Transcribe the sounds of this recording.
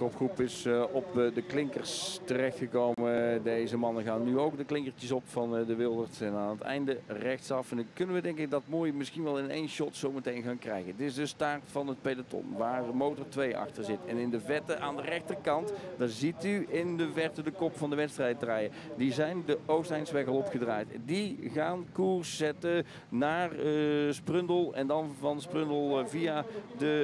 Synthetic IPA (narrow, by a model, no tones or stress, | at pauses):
kɔpxrupɪsɔpdəklɪŋkərstərɛxtxəkowmədejzəmɑnəɣaːnːyowk̚dəklɪŋkəɹtəsɔpfɑndəʋɪlˠdəɹtɛnaːnətɛ̰jndərɛxtsɑfnkɵnənʋədɛŋkɪk̚dɑtmoːjmɪsxinʋɛlˠɪnḛjnʃɔtsowmətejnɣaːnkrɛ̰jɣəntɪsdəstaːɹtfɑnət̚pejdatɔ̰nʋaːɹdəmowtəɹtʋejɑ̰xtəɹzɪtɛnɪndəvɛtəʔaːndərɛxtərkɑntdaːɹzityɪndəvɛɹtədəkɔpfɑndəʋɛtstrɛjd̚draːjə | dizɛjndəʔowstɦɛjnsʋɛkɑlˠɔpχədra̰ːjtndiɣaːnkuɹsːɛtə | naːrsprɵndəlˠɛ̰ndɑnvɑnsprɵndəlˠvijadə